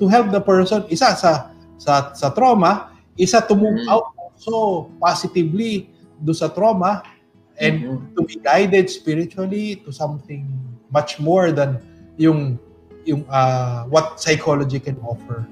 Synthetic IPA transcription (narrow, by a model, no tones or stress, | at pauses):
t̪ʊɦɛlp̚d̪ɐpɛɹsonɪsasɐ | sɐsɐt̪ɾomɐ | ʔɪsat̪ʊmuɡʔawt̪̚olsopasɪt̪ɪvli | d̪ʊnsɐt̪ɾomɐ | ʔɛ̃nd̪t̪ubiɡajd̪ɛd̪̚spiɹɪt͡ʃʊɐlit̪ʊsɐ̃mθɪ̃ŋmat͡ʃmoɹd̪ɐnjʊŋ | jʊŋɐwɐt̪̚sɐjkʰolod͡ʒikɛnʔofɛɹ